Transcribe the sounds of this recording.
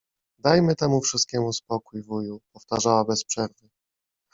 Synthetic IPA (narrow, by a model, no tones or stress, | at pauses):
d̪ajmɘt̪ɛmufʂɘst̪̚kʲɛmuspɔkujvujupɔft̪aʐawabɛspʂɛɾvɘ